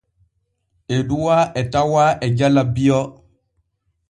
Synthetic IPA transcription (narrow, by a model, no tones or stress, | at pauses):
ɛduwaʔɛtawaʔɛd͡ʒalabijɔ